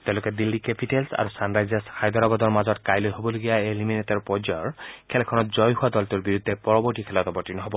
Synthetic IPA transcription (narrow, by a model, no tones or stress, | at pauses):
t̪eʊ̃lokɛd̪ilːikepitelsa̰ɹusanɹajzaskʰajd̪ɔɾabɔd̪ɔɹmazɔtkajlojɦobɔloɡijaeliminetɔɹpɔd͡ʒɔɔɹkʰɛlɛkʰɔnɔt̚zɔjɦuad̪ɔltuɹbiɹud̪ʱːɛpɔɹɔbɔɹʈikʰɛlɔt̪ɔbɔɹtinɔɦɔbɔ